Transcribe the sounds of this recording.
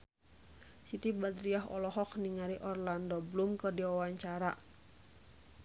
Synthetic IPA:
sit̪ibad̪ɾiaɦɔ̰lɔɦɔk̚niŋaɾiʔɔrlandɔblumkərdiwawaɲt͡ʃaɾa

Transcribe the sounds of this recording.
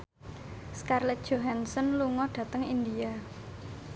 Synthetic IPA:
skarlɛt̪̚ʒ̥oɦansɔnluŋɔɖ̥ä̤t̪əŋind̪ia

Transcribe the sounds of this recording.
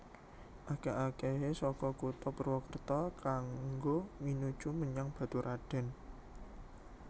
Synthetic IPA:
ʔakaʔakeɦesɔkɔkut̪ɔpərwɔkərt̪ɔkaŋɡominud̥ʒ̥uməɲaŋb̥ä̤t̪uɾʔaɖ̥ɛ̤n

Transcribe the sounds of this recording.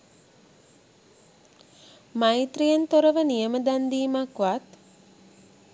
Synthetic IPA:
majt̪rijənt̪oɾəʋənijəməd̪and̪iːmakʋat̪

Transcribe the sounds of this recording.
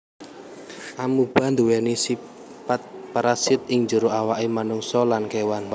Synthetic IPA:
ʔamub̥a̤nd̪uwɛnisi | pat̪̚paɾasɪt̪̚ɪŋd͡ʒuɾoawaʔemanuŋsɔlankewan

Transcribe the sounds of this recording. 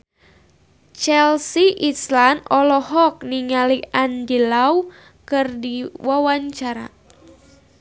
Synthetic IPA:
t͡ʃɛlsiʔislanɔlɔɦɔk̚niŋaliʔandilaw | kɨrdiwawaɲt͡ʃaɾa̰

